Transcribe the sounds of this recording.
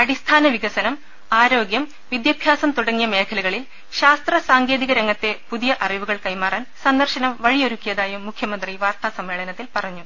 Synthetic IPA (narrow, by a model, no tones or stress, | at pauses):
ɐɽist̪ʰaːnɐʋiɣɐsɐnɐm | aːɾo̞ːɡjɐm | ʋid̪jɐbʱjaːsɐmt̪uɽɐŋːijɐme̞ːkʰɐluɣɐɭil | ɕaːst̪rɐsaːŋɡe̞ːðiɣɐɾɐŋːɐt̪ːe̞puðijɐʔɐriʋuɣɐɭkɐjmaːraːnsɐnd̪ɐrɕɐnɐmʋɐɻijo̞ɾukːijɐðaːjumːukʰːjɐmɐnd̪riʋaːrt̪aːsɐmːe̞ːɭɐnɐt̪ːilpɐrɐɲːu